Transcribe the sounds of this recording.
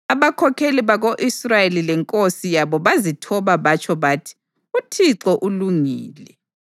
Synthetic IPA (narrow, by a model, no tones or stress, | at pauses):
aβakʰɔkʰeliβaɣoʔisrajelilɛŋkʼosijaβɔβazitʰɔβaβat͡ʃʰɔβaːtʰi̥ | utʰiǀɔʔuluŋiːlɛ